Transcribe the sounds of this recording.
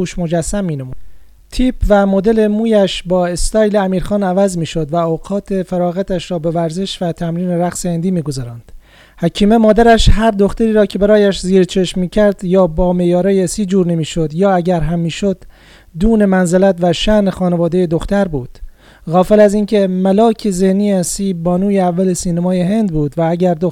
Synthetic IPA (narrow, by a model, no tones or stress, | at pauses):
uːʃmo̞d͡ʒæsːæmːiːnemuː | t̪ʰiːpʰvæmod̪e̞le̞muːjæʃbɒːe̞st̪ɒːjle̞æmiːɾxɒːnævæzmiːʃo̞d̪væoːqɒːt̪ʰefæɾɒːɣæt̪ʰæʃɾɒːbe̞væɾze̞ʃvæt̪ʰæmɾiːne̞ɾæqsehend̪iːmiːɡo̞zɒːɾɒːnd̪̥ | hæcʰiːme̞mɒːd̪æɾæʃɦæɾd̪o̞xt̪æɾiːɾɒːcʰe̞bæɾɒːjæʃziːɾt͡ʃʰeʃmːiːcʰæɾd̪jɒːbɒːmejɒːɾɒːjesiːd͡ʒuːɾne̞miːʃod̪jɒːæɟæɾɦæmːiːʃo̞d̪̥ː | uːne̞mænzelæt̪væʃænexɒːnevɒːd̪ejed̪oxt̪æɾbuːd̪̥ | ɣɒːfelæziːncʰe̞mælɒːcʰezehniːsiːbɒːnuːjeævːælesiːnæmɒːjeɦe̞nd̪buːd̪vææɟæɾd̪o